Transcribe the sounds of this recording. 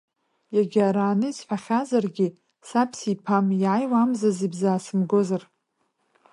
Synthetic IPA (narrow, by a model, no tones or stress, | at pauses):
jaɡʲaɾaːnɨisħʷᶣaχʲazarɡʲɪ | sapʰsipʰamiʕajwamzazibzaːsɨmɡozar